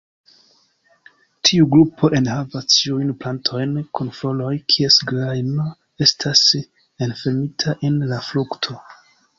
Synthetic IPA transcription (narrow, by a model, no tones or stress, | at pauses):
tʰiuɡɾupʰo̞ʔe̞nhavast͡ʃiujnplantʰo̞jnkunfo̞lo̞jkʰie̞sɡɾajno | e̞stʰas | e̞nfe̞ɾmitʰaʔe̞nlafluktʰo̞